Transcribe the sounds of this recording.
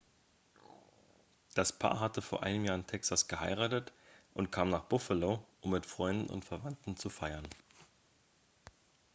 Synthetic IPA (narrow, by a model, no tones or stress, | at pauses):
d̥aspʰa̰ːɐɦatəfoːɐʔa̰ɪnəmjaːɐɪntʰɛksasɡ̥əhaɪʁaːtətʔʊntkʰaːmnaːχb̥ʊfəloːʔʊmːɪtfʁ̥ɔʏndn̩ʊ̰ntfɛɐvantn̩t͡sufaɪɐn